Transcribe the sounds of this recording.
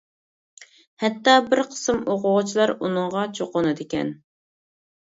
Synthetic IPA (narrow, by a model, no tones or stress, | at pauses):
hɛt̪ːɑːbɪɾqʰə̥sɨmoqʊʁt͡ʃʰilˠɑɾunɨŋʁɑt͡ʃʰoqonɨd̪ɪkʲɛ̰n